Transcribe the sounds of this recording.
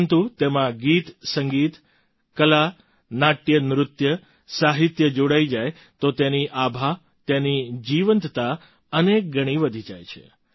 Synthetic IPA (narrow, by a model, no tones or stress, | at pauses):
nt̪ut̪emãɡit̪səŋɡit̪ | kəla | naʈjənɾʊt̪jə | saɦit̪jəd͡ʒoɽaid͡ʒaj | t̪ot̪eniʔabʱa | t̪enid͡ʒiʋənt̪t̪a | ənek̚ɡəɽ̃iʋəd̪ʱid͡ʒa̰jt͡ʃʰḛ